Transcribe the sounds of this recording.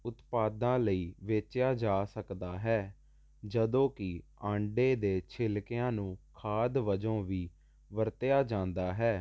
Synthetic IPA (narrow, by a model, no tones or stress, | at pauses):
ʊt̪paːd̪ãːləiːʋeːt͡ʃjaːd͡ʒaːsəkd̪aːɦɛː | d͡ʒəd̪õːkɪãːɳɖeːd̪eːt͡ʃʰɪlkɪãːnũːkʰaːd̪ʋəd͡ʒõːʋiː | ʋəɾt̪jaːd͡ʒãːnd̪aːɦɛː